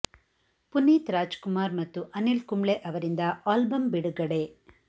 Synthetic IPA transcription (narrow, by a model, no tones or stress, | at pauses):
punːiːt̪ɾaːd͡ʒkumaːɾmɐt̪ːuʔɐnilkumɭeʔɐʋɐɾind̪ɐaːlbɐmbiɽuɡɐɽe̞